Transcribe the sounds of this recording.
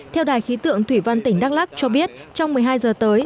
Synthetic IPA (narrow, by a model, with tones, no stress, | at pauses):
t̪ʰɛ˧wɗaː˨˩jxi˨˦t̪ɨ̰˧˨əŋt̪ʰwi˧˩va˧nt̪ï˧˩ŋ̟ɗaː˦˥k̚laː˦˥k̚t͡ɕɔ˧ɓi˦˥ət̚t͡ɕɔ˧wŋ͡mmɨ˨˩əjɦaː˧jzəː˨˩t̪əː˨˦j